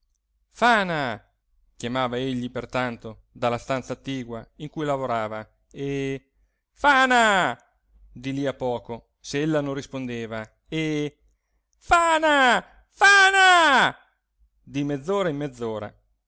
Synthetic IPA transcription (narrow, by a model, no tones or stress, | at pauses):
faːna | kjamaːvaeʎːipert̪ant̪o | d̪alːast̪ant̪saːt̪ːiːɡwaiŋkujlavoɾaːva | e | faːna | d̪iliapːɔːko | seelːanõnrːispond̪eːva | e | faːna | faːna | d̪imed̪zːoːɾaimmːɛd̪zːoːɾa̰